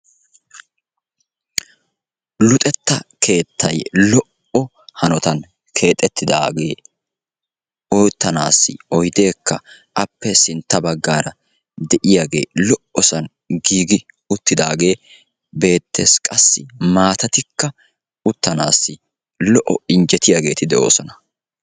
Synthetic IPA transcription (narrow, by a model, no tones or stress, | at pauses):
lʊt̪ʼɛt̪ːɐkʰe̞ːt̪ʰːɐjlɔʔ | ɔ | hɐnɔt̪ɐn | kʰe̞ːt̪ʼːɛt̪ːɪd̪a̰ːɡe̞ː | ɔjt̪ːɐnaːsːɪ̰ɔjd̪e̞ːkːɐ̰ | ʔɐpːɛsɪnt̪ːɐbɐɡːaːɾɐ | d̪ɛʔɪjaːɡe̞̰ːlɔʔɔsɐn | ɡiːɡɪ | ʊt̪ːɪd̪aːɡe̞ː | be̞ːt̪ːḛːskʼɐsːɪmaːt̪ɐt̪ɪkːɐ | ʊt̪ːɐnaːsːɪ | lɔʔɔɪnd͡ʒɛt̪ɪjaːɡe̞ːt̪ɪd̪ɛʔo̞̰ːsɔnɐ